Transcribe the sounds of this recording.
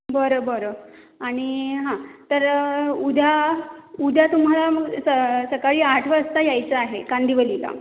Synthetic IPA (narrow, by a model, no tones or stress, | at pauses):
bəɾobəɾo | aɽ̃iɦãt̪əɾud̪ʱaud̪ʱat̪um̤alaməɡsəsəkaɭiːaʈʰʋəəst̪ajajt͡səaɦeɡand̪iʋəlila̰